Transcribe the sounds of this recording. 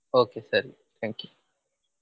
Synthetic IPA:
oːkeːsɐɾḭ | t̪ʰæ̃ːŋki

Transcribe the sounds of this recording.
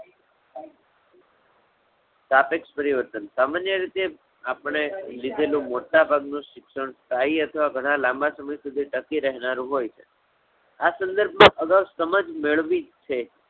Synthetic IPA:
t̪apekspəɾiʋəɾt̪ənsamanjəɾit̪e | apəɳ̃elid̪ʱelũmoʈabʱaɡnũʃɪkʃəɳ̃st̪aiət̪ʰəʋaɡʱəɽ̃ãlãmbasəməjsud̪ʱiʈəkiɾəɦnaɾũɦojt͡ʃʰe | asə̃nd̪əɾbʱmãʔəɡawsəməd͡ʒmeɭʋit͡ʃʰe

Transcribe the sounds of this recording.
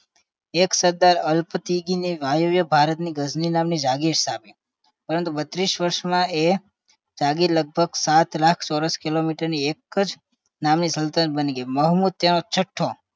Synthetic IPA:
eksəɾd̪aɾəlpət̪iɡiniʋajoʋjəbʱaɾət̪niɡəzninamnid͡ʒaɡiɾsapi | pəɾənt̪ubət̪ɾiʃʋəɾʃmãe | d͡ʒaɡiɾləɡ̚bʱəɡsat̪lakʰsɔɾəskilomiʈəɾniekəd͡ʒ | namnisəlt̪ənbəniɡəməɦmud̪̚t̪enot͡ʃʰəʈʰːo

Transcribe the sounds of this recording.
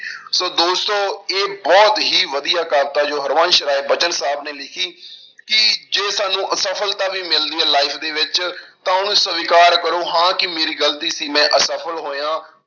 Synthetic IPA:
soːd̪oːst̪õːeːbɔːt̪ɦiːʋəd̪ijaːkəlt̪aːd͡ʒoːɦəɾʋãːnʃɾaːeːbət͡ʃənsaːbneːlɪkʰiː | kɪd͡ʒeːsaːnũːʔəsəpʰəlt̪ãːʋiːmɪld̪iːɛːlaːɪpʰd̪eːʋɪt͡ʃt̪ãːʊnũːsəʋɪkaːɾkəɾoːɦãːkɪmeːɾiːɡəlt̪iːsiːmɛ̃ːʔəsəpʰəlɦoːjãː

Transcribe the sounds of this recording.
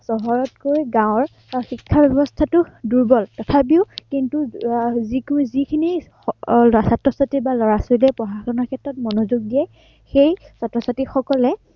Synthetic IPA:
sɔɦɔɹɔt̚kojɡãʊ̃ɹ | xikʰːabɛbɔstʰatʊduɹbɔltɔtʰap̬iʊkintuzikzikʰini | ɔsatɹɔsatibalɔɹasolɛpɹɔxaxɔnɔɹkʰɛtɹɔt̚mɔnozuɡ̚dijɛ | xej | satɹɔsatixɔkɔlɛ

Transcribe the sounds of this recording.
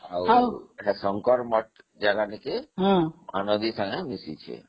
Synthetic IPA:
ɦawawɛʈasɔŋkɔɾmɔʈ̚ | d͡ʒaɡanikeɦmanod̪isãŋɡemisḭt͡ʃʰḛ

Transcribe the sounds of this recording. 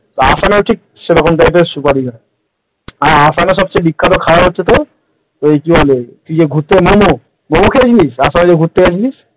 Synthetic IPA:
t̪asaneʈʰik̚ | seɾɔkʰomʈajpesupaɾiɡa | aasaneʃ̬ɔb̚t͡ɕebikʰːat̪okʰawaɦotːʰet̪̬o | t̪oekiɦolet̪ud͡ʑeɡʱut̪ːemomo | momukʰet͡ɕʰilisasaned͡ʑeɡʱut̪ːekʰet͡ɕʰilis

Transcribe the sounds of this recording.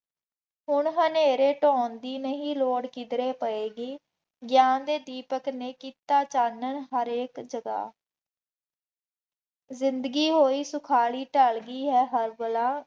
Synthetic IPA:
ɦʊɳɦəneːɾeːʈɔ̃ːnd̪iːnəɦĩːloːɽkid̪ɾeːpəeːɡiː | ɡjaːnd̪eːd̪iːpəkneːkiːt̪aːt͡ʃaːnənɦəɾeːkd͡ʒəɡa̰ː | zɪnd̪ɡiːɦoːiːsʊkʰaːɭiːʈəɭɡiːɦɛːɦəɾbəlãː

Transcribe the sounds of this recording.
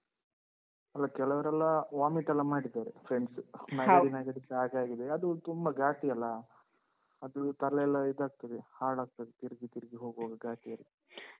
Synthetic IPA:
ɐlːɐkɛlɐʋɐɾɛlːɐʋaːmiʈɛlːɐmaːɽid̪aːɾepʰɾeɳɖsmaːɾinaːɡɐɽiseaːɡaːɡid̪eɐd̪ut̪umbɐɡaːʈiɐlːɐ | ɐd̪ut̪ɐɾlɐɛlːɐid̪aːɡ̚t̪ɐd̪ehaːɭaːɡ̚t̪ɐd̪et̪iɾiɡit̪iɾɡiɦo̞ːɡɦoɡɐɡaːʈijɐlːi

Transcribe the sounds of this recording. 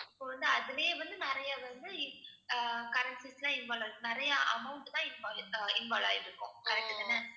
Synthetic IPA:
ɪpːoːʋɐnd̪ɯɐðɐleːʋɐnd̪ɯnɪɾɐjɐʋɐnd̪ɯ | kɐɾɐɳʈsislãːɪnʋaːlaːɾɯkːnɪɾɐjɐʔɐ̰mɐʊɳʈt̪ãːɪnʋaːlɪnʋaːla̰ːjɪɾɯkːʊ̃kɐɾɛk̚ʈːɯðɐnːɐ

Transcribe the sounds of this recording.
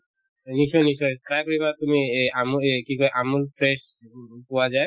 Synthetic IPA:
nisɔnisɔjtɹajkoɹibatumiamukikɔɛʔamulpʰɹes | pɔwazaj

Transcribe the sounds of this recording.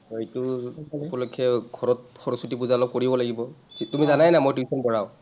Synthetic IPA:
itupɔlɔkʰɛɡʱɔɹɔt̚xɔɹɔsutip̬uzaɔlɔp̚koɹibɔlaɡibɔitumizanajnamojtisʰɔnbɔɹaʊ

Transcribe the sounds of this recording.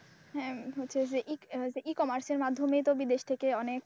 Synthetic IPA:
ɦɛ̃ɦotːɕʰed͡ʑeʔid͡ʑeʔikɔmaɾseɾmad̪ʱːomejt̪obid̪eʃt̪ʰekeɔnek̚

